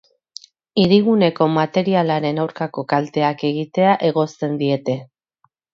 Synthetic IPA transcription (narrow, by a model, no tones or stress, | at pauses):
iɾiɣune̞ko̞mat̪e̞ɾialaɾe̞nawɾkako̞kalt̪e̞ake̞ɣ̞it̪e̞aʔe̞ɣo̞st̪e̞nd̪ie̞t̪e̞